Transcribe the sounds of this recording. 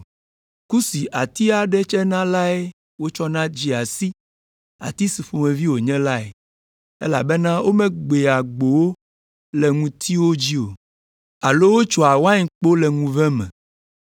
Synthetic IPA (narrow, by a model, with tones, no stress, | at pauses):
ku˦si˨ʔa˨t̪i˦a˨ɖɛ˦t͡ʃɛ˦nã˦la˦e˦ | wo˦t͡ʃɔ˦nã˦d͡ʑi˦a˨si˦ | a̰˨t̪i˦si˨fo˨mɛ̃˨vi˦wo˨ɲɛ̃˦la˦ḛ˨ | ḛ˦la̰˨be˦nã˦wʔo˦mɛ̃˦ɡ͡be˨a˨ɡ͡bo˨wo˦ | lɛ˨ŋũ˨t̪ʰi˦wo˦d͡ʑi˦o̰˨ | a˨lo˦wo˦t͡ʃɔ˨a˨wa˦ɲ˨k͡po˦lɛ˨ŋũ˨vɛ̃˦mɛ̰̃˨